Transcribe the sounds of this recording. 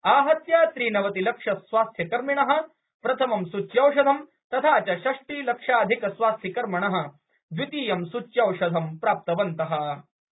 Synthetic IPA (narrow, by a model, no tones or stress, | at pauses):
aːɦɐt̪jaːsɾiːnɐʋɐt̪ilɐkʂɐsʋaːst̪ʰjɐkɐɾmiɳɐɦɐ̆ | pɾɐt̪ʰɐmɐmsut͡ʃːjɐwʂɐd̪ʱɐm | t̪ɐt̪ʰaːt͡ɕaɕɐʂʈiːlɐkʂaːɐd̪ʱikɐsʋaːst̪ʰjikɐɾmɐɳɐɦɐ̆ | d̪ʋit̪iːjɐmsut͡ʃjɐwʂɐd̪ʱɐmpɾaːp̚t̪ɐʋɐnt̪ɐɦɐ